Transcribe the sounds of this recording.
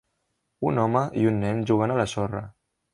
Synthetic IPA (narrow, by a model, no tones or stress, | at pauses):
unɔməʔiunːɛɲʒuɣanaləsorə̰